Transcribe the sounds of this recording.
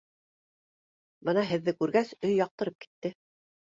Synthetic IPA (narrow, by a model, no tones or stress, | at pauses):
bɤnɑɦɘ̆ðːɘkʉɾɡæsɵjːɑq̚t̪ɤ̆ɾɤp̚ki̥t̪ːɘ